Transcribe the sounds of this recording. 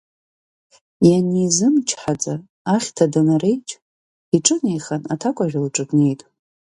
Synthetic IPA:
janizɨmt͡ʃʰħad͡zʼaː | χʲtʰadanare̞jt͡ʃʼ | iʈ͡ʂʼɨnejχanatʰakʷʼaʒᶣʲalʈ͡ʂʼɨtʼne̞jtʼ

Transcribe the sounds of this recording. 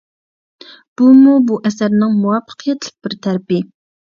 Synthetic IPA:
b̥umubuʔɛsæɾnɪŋmuwɑfːə̥qʰijɛt̪lɪk̚ʲbɪɾt̪ʰæɾpɪ

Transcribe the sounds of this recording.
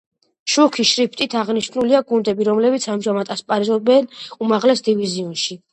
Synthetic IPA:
ʃukʰiʃɾipʰt̪ʼit̪ʰaʁniʃnuliaɡund̪ɛbiɾɔmlɛbit̪sʰamʒamat̪ʼaspʼaɾizɔbɛnumaʁlɛsd̪iviziunʃi

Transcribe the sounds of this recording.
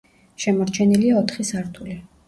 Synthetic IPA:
ʃɛmɔɾt͡ʃʰɛniliaɔt̪ʰχisaɾt̪ʰuli

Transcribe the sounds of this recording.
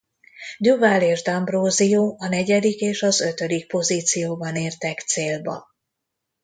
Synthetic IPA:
d̪uvaleːʒd̪ɒmbroːzijoːɒnɛɟɛd̪ikeːʃɒzø̞t̪ø̞d̪ik̚po̞ziːt̪sijoːbɒneːrt̪ɛkt̪seːlbɒ̰

